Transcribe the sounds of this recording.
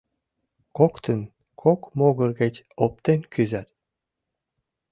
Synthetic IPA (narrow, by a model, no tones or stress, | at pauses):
kokt̪ə̆n | kʰokmoɣɤ̆rɡet͡ɕop̚t̪enkʰyzæt̪